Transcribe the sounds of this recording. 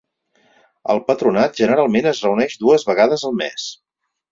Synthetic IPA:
əlˠpət̪ɾunat̪̚ʒənəɾalˠmenəzrəunɛʃd̪uəzβəɣaðəzəlˠmɛs

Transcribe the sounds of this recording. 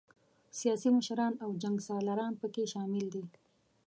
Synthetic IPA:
sijɑsiməʃɾɑnawd͡ʒaŋɡsɑlaɾɑnpəkeʃɑmɪld̪i

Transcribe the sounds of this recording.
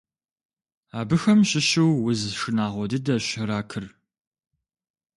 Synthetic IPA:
aːbɨxɐmɕɪɕɪwwʊzʂɨnaːʁʷɔdɨdɐɕɪɾaːkʰɨr

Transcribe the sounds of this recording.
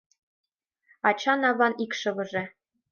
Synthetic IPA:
ɑt͡ɕɑnɑβɑnikʂɤ̆βɤ̆ʐɘ̆

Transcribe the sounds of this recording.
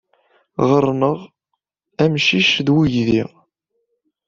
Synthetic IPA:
ʁəɾˤnəʁ | æmʃiʃðwuʝðiʁ

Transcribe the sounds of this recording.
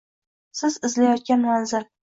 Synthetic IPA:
sɪzɪzlajɒt̪̚kʲanmanzɪl

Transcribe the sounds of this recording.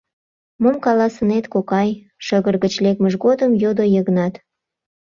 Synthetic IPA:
momkɑlɑsənet̪kokɑj | ʃəɣərɣət͡ɕlek̚məʒɣod̪əmjod̪ojəɣnɑt̪

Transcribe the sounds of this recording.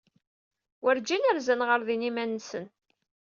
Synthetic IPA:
wəɾd͡ʒinæɾzənʁəɾðinimænːsən

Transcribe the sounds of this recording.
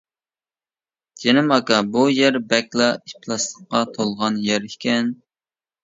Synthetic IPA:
d͡ʒenɪmɑkɑbujɛɾbɛkʲlˠɑipʰlˠɑst̪ˠəqːɑt̪ʰolˠʁɑnjɛɾikʲɛn

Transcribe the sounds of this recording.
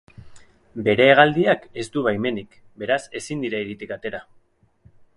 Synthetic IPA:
be̞ɾe̞ːɣ̞ald̪iake̞st̪uβajme̞nik | be̞ɾase̞sind̪iɾaiɾit̪ikat̪e̞ɾa

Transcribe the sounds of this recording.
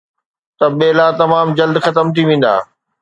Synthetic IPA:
t̪ɐɓeːlat̪ɐmaːmd͡ʑɐld̪xɐt̪əmt̪ʰiʋẽːn̆d̪a̰ː

